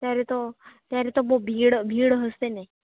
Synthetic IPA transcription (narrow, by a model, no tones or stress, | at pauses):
t̪jaɾet̪ot̪jaɾet̪omobʱiːɽbʱiːɽɦəst̪enaj